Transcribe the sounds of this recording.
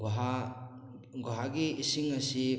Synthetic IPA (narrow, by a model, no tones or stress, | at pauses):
ɡɦa | ɡoɦaɡiːsiŋɐsi